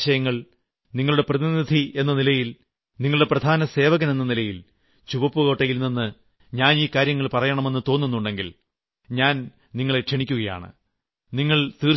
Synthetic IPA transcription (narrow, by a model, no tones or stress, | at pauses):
ɕɐjɐŋːɐɭ | niŋːɐɭuɽe̞prɐðinid̪ʱie̞nːɐnilɐjil | niŋːɐɭuɽe̞prɐd̪ʱaːnɐse̞ːʋɐɣɐne̞nːɐnilɐjil | t͡ɕuʋɐpːuɣo̞ːʈːɐjilninːɨ | ɲaːniːkaːɾjɐŋːɐɭpɐrɐjɐɳɐme̞nːɨt̪o̞ːnːunːuɳɖe̞ŋɡil | ɲaːn | niŋːɐɭe̞kʂeɳikʲːuɣɐja̰ːɳɨ̰ | niŋːɐɭt̪iː